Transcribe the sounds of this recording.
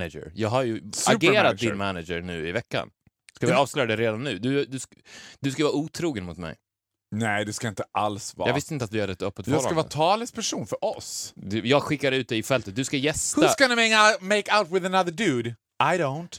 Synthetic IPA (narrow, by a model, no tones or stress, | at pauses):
nad͡ʒə̰ɾjɑːɡɦaɾjɵsaʉɡeːɾat̪d̪ɪnnmænad͡ʒəɾnʉ̟ːɪvɛkːa̰n | skavɪɑːvslœːjad̪ɛɾeːd̪anːʉ̟ːd̪ɵd̪ɵ | d̪ɵskajəvɑːuːt̪ʰɾuːɡənmʊt̪mɛ̰j | nɛɪd̪ɛskaɪnt̪ə̥ʔalsv̰ːjɑːɡvɪst̪əɪnt̪at̪vɪhad̪ːəɛt̪œpːət̪vskavɑːt̪ʰɑːlɪspʰæʂuːnfœɾʔɔsd̪ʉjɑːɡɧɪkːadɾʉ̟ːt̪d̪ɛɪjɪfɛlt̪ət̪̚d̪ɵskajɛst̪hɵaskanamɛŋameɪkaʊt̪wɪðənaðəɖʉːd̪ | ʔaɪdoʊnt̪